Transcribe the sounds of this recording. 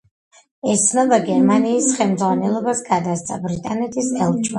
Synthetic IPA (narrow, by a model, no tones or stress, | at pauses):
ɛt̪sʰnɔb̪aɡɛɾmaniːsχɛlmd̪zʁwanɛlˠɔbasɡad̪ast̪sʼa̰bɾit̪ʼanɛt̪ʰisɛlˠt͡ʃʼwa